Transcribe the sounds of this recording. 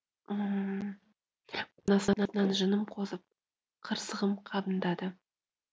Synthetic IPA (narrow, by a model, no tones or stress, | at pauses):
ə | nɑsɑnɑnɑnʒənəmqʰo̞zəp̚ | qʰəɾsəʁəmqʰɑbənd̪ɑd̪ə